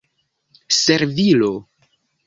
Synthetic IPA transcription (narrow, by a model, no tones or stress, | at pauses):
seɾvilo